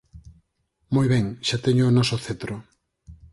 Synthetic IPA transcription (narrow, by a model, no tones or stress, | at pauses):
mojβɛŋʃat̪ɛɲʊːnɔsʊθet̪ɾʊ